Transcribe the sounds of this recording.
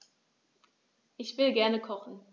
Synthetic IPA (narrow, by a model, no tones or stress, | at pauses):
ʔɪçv̥ɪlɡɛɐnəkʰɔχn̩